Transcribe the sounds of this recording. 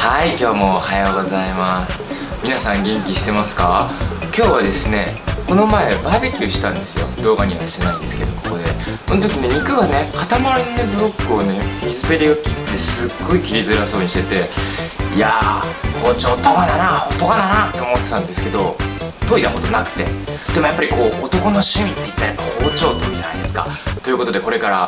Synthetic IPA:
haikʲo̞ːmo̞ːhajoɡo̞zaimasɨ̥ | mʲinasãŋɡʲẽ̞ŋkʲiɕi̥t̪e̞masɨ̥kakʲo̞ːβad̪e̞sɨne̞ko̞no̞mae̞baibekʲioɕi̥t̪ãnd̪e̞sɨjo̞̰d̪o̞ːɡaɲ̟iβ̞aɕi̥t̪e̞naind̪e̞sɨ̥ke̞d̪o̞ko̞ko̞d̪eko̞not̪o̞kʲine̞ɲ̟ikɯ̟ɡane̞kat̪amaɾʲinonobɯ̟ɾo̞kːɯ̟one̞mʲizɨbe̞ɾʲiɡakʲi̥t̪ːe̞sɨɡːo̞ikʲiɾʲizɨɾaso̞ːɲ̟iɕi̥t̪e̞t̪e̞iahoːt͡ɕo̞ːt̪omananahop̪ːokananat̪ːe̞o̞mo̞t̪ːe̞t̪ãnd̪esɨ̥ke̞d̪o̞t̪o̞ːid̪aɦo̞d̪onakɯ̟̥t̪e̞̰d̪̥e̞mojapːaɾiko̞ːt̪o̞ko̞no̞ɕĩmʲit̪ːe̞it̪ːaɾikaho̞ːt͡ɕo̞ːt̪ːoid͡ʑa̰na̰id̪esɨ̥ka̰t̪o̞jiɯ̟ko̞t̪od̪e̞ko̞ɾe̞kaɾa

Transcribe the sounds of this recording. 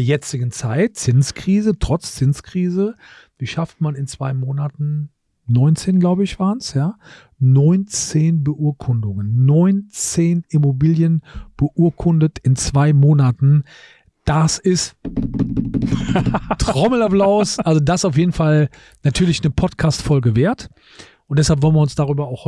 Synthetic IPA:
ɐjɛt͡sɪɡn̩t͡saɪt̚t͡sɪnskʁ̥iːzətʁ̥ɔt͡st͡sɪnskʁ̥iːzə | d̥iːʃaftmanɪnt͡sv̥aɪmoːnatn̩ | nɔʏnt͡seːnɡlaʊbəɪçv̥aːʁənsjaː | nɔʏnt͡seːnbəʔuɐkʰʊndʊŋənːɔʏnt͡seːnɪmobiːljənb̥əʔuːɐkʰʊndətɪnt͡sv̥aɪmoːnatn̩ | d̥asɪst | tʁ̥ɔml̩aplaʊsʔalzodaɪsaʊfjeːdn̩fal | natʰyːɐlɪçnəpʰɔtkʰaːstfɔlɡəveːɐt | ʔʊntd̥ɛshalpvɔlənviɐʊnsd̥aʁ̞yːbɐaʊxh

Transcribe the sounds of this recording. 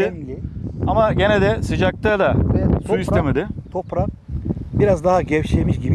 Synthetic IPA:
amaɟened̪ɛsɯd͡ʒak̚t̪ʰad̪asuist̪emed̪ɪt̪ʰopɾabiɾazd̪aɦaɟɛfʃemiʃɟibi

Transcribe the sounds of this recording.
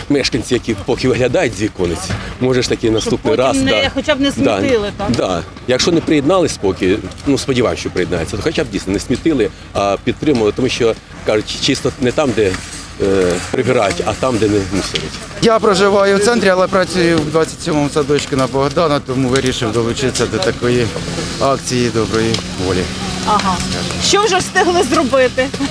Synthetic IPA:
mɛʂkɐnʲt͡sʲijɐkʲipɔkʲɪʋɪɦlʲɐd̪ɑjʊtʲzʲikɔnʊtʲmɔʐɛʂt̪ɐkɪnɐst̪upnɪɾɑsxɔt͡ʃʲabnɛsʲmd̪iat̪ɪlˠɪt̪ad̪ɑ | jɐkʃɔnɪpɾɪjɪd̪nɑlˠɪsʲpɔkʲɪnuspɔdʲiʋɑjɪmʃt͡ʃɔpɾɪjɪd̪nɑ̰jet͡sʲːɐt̪ɔxɔt͡ʃʲab̚dʲijsʲnɔnɛsʲmʲit̪ɪlˠɪ | ɐpʲit̪t̪ɾɪmʊʋɐlˠɪt̪ɔmuʃʲt͡ʃɔ | kɑʐʊtʲt͡ʃɪst̪ɔnɛt̪ɑmd̪ɛ | pɾɪbɪɾɑtʲɐt̪ɑmd̪ɛnɛmusɪɾɪ̰tʲ | japɾɐʒɪʋɑjʊwt̪sɛnt̪ɾʲɪɐlˠɛpɾɐt͡sʲujʊwd̪ʋat͡sʲːɐtʲsʲɔmɔmsɐd̪ɔt͡ʃkʲɪnɐbɔɦd̪ɑnɐt̪ɔmuʋɪɾʲiʃɪwd̪ɔlˠʊt͡ʃɪsʲːɐd̪ɔt̪ɐkɔjiɑkt͡sʲijid̪ɔbɾɔjiʋɔlʲiɐɦɑka̰ʃt͡ʃɔwʒɛst̪ɪɦlˠɪzrɔbɪt̪ɪ

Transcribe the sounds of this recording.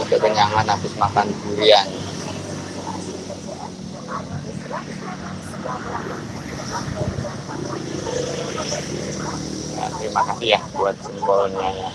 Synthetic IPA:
kəkəɲaŋanasɪsmakanɡuɾian | a̰imakasijahbuat̪̚simbɔlɔnɲaja

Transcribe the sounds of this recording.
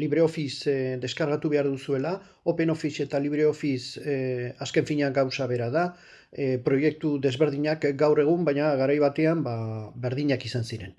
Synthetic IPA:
liβɾe̞o̞fisd̪e̞skaɾɣat̪uβe̞aɾðusue̞la | o̞pe̞no̞fise̞t̪aliβ̞ɾe̞o̞fis | aske̞ɱfiɲaŋɡawsaβe̞ɾaða | pɾo̞je̞k̚t̪uðe̞zβe̞ɾðiɲakɡawre̞ɣ̞umbajɲaɣaɾajβat̪e̞ambabe̞ɾðiɲakisansiɾe̞n

